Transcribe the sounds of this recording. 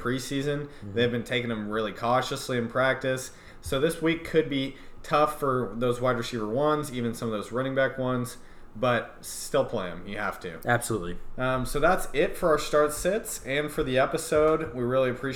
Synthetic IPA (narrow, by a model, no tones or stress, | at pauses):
pʰɹ̥isizɨ̃nðeɪvbɨ̃ntʰeɪkɨ̃ŋɨ̃mɹɪlˠikʰɔʃɨsliɨ̃npʰɹ̥æk̚tɨsː | oʊðɪswikʰɨd̚bitʰʌfə˞ðoʊzwaɪdɹɨsivə˞wʌ̃nzivɨ̃nsʌ̃mʌvðoʊzɹʌ̃ñɪ̃ŋbækwʌ̃nz̥ | b̥ʌt̚ | stɪlˠpʰl̥eɪɨ̃mjɨhæftʰʉ̰æb̥səlutˡlḭʌ̃soʊðætsɪtfə˞aʊə˞stɑɹtsɛtsɨ̃nfə˞ðiɛpɨsoʊd̚wiɹɪlˠiɨpʰɹ̥i